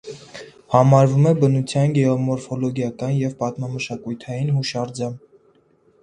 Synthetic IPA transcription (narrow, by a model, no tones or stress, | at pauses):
hɑmɑɾvumɛbənut͡sʰjɑnɡɛɔmɔɾfɔlɔɡjɑkɑnjɛvpɑt̪mɑməʃɑkujt̪ʰɑjinɦuʃɑɾd͡zɑm